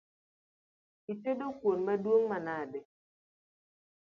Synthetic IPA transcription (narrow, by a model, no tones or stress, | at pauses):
itedokwonbadwoŋmanade